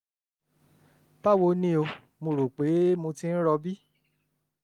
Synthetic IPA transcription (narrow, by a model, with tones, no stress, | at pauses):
b̥a˦˨wo˧nĩ˦o˧ | mõ˧ɾo˨k͡pe˨˦mõ˧tĩ˦n̩˦ɾɔ˧bi˦